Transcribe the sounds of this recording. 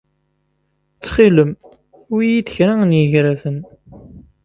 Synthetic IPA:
t͡sːχiləm | ʊijiðəçɾaənjəʝɾæfən

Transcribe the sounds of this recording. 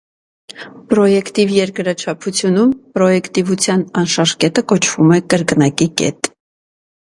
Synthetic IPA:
pɾɔjɛkt̪ivjɛɾkɾɑt͡ʃʰɑpʰut͡sʰjunumpɾɔjɛkt̪ivut͡sʰjɑnɑnʃɑɾkɛt̪əkɔt͡ʃʰvumɛkəɾknɑkikɛ̰t̪

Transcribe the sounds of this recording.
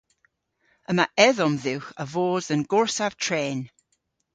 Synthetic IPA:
əmaʔɛðɔmðɪwχəvoːdənɡʊɹsav̥tʰreːn

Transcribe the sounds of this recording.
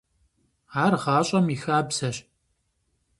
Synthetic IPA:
aːrʁɑːɕʼɐmixaːbsɐɕ

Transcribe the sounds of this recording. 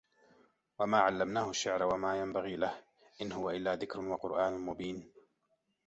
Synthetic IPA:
wamaːʕalːamnaːhʊʃːɪʕɾawamaːjambaɣiːlah | ʔɪnhʊwaʔɪlːaːðɪkɾʊnwaqʊɾʔaːnʊmʊbiːn

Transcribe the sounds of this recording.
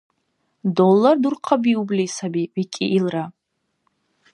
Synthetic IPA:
dolːardurqʰabiublisabiikʲʼiʔːlra

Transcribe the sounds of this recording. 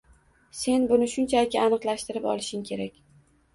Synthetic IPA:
se̞nbʊnɪʃʊnt͡ʃʰalɪkʲɪanɨqlˠaʃt̪ɪɾɪpɒ̰lˠɪʃɪŋkʲʰe̞ɾakʲ

